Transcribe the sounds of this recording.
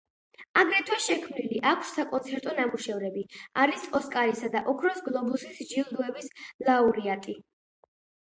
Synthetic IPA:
aɡɾɛt̪ʰwɛʃɛkʰmniliʔakʰsːakʼɔnsʰɛɾt̪ʼɔnamuʃɛvɾɛbiaɾisɔskʼaɾisad̪aʔɔkʰɾɔsɡlˠɔbusisd͡ʒilˠd̪uɛbislˠauɾiat̪ʼi

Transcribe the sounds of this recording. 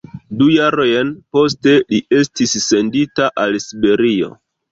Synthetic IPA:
dujaɾojenpo̞ste̞liʔe̞stisːe̞nditaʔalsibe̞ɾio̞̰

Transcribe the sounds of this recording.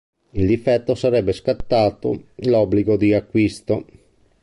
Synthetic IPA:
ild̪ifɛt̪ːosaɾɛbːeskat̪ːaːt̪o̰lɔbːliɡod̪iakːwist̪o

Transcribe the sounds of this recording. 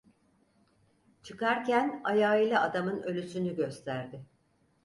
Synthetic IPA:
t͡ʃʰɯkaɾcʰænajaːilʲˠaad̪amɯnø̞lʲysynyɟø̞st̪ʰæɾd̪ɪ

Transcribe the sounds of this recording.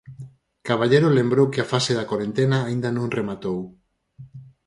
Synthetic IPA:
kaβ̞aʎeɾolembɾowkɪafaseðakoɾent̪enaːĩnd̪anõŋremat̪ow

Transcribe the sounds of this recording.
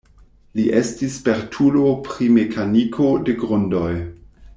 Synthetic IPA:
liʔestispeɾtʰulopɾime̞kʰanikʰo̞de̞ɡɾondo̞j

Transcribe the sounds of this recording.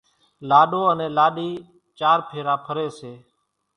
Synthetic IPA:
laːɗoːənẽːlaːɗiː | t͡ʃaːɾpʰeːɾãːpʰəɾeːseː

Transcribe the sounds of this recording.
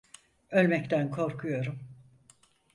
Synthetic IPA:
ølʲmɛct̪ʰænkʰo̞ɾkʰujo̞ɾum

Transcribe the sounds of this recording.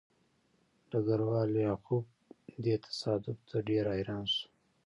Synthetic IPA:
ɖ̥aɡaɾwɑːljɑxub̚ | d̪et̪ʰḁsɑːd̪ʊb̚t̪ʰaɖeɾɑːjɾɑːnsu̥

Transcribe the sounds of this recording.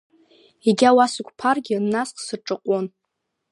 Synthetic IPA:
eɡʲawasɨkʷʰʼpʰarɡʲɪnːasqʰʼsɨrʈ͡ʂʼɨqʷʼon

